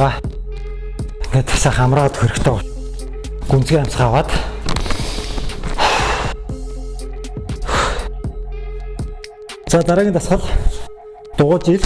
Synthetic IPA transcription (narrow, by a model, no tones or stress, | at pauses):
aː | ɡet̪saχamraːʁə̆ːt̪xeɾɘ̆kt̪ʰœː | ɡun̥t͡sɡʲiːam̥ʲsə̆χawaːt̪ | t͡saːt̪aɾaːɣʲiːnt̪asχə̆ɮ | t̪ʊʁʊːt͡ɕiɮ